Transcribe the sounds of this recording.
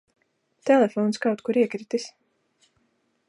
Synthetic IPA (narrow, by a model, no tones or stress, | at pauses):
t̪ɛlˠɛfɔːnskawt̪̚kuɾiɛkɾit̪is